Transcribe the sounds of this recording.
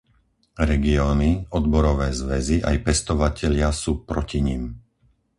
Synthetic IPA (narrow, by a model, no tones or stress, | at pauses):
ɾɛɡiɔːniɔd̪bɔɾɔʋɛːzʋɛziʔajpɛst̪ɔʋacɛʎɪasuːpɾɔciɲim